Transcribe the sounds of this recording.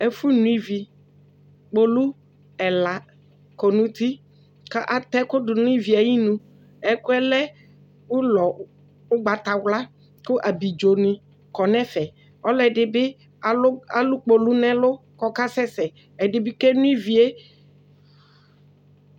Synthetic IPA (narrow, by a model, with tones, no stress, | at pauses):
e˦fu˦nũ˦i˦vi˨ | k͡po˨lu˦ | ɛ˨la˨ | ko˨nũ˨t̪i˦ | ka˦ʔa˨t̪ɛ˦kʊ˦ɖʊ˨nũ˦i˦vi˨a˨ji˦nũ˦ | ɛ˦kʊ˦ɛ˦lɛ˦ | wu˦lɔ˨ | ʊ˦ɡ͡ba˨t̪a˨wla˦ | kʊ˦ʔa˨bi˨d͡ʒo˨nĩ˨ | kɔ˨nɛ̃˦fɛ˨ | ɔ˦lɛ˨ɖɪ˨bɪ˦ | a˨˦a˨lu˦k͡po˨lu˦nɛ̃˦lʊ˦kɔ˦ka˦sɛ˦sɛ˨ | ɛ˨ɖɪ˨bi˦ke˦nũ˦i˦vi˨e˦